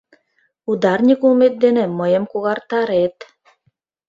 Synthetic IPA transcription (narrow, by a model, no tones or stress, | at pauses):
ud̪ɑrnʲikulmet̪̚d̪enĕməjə̆mkuɣɑrt̪ɑɾet̪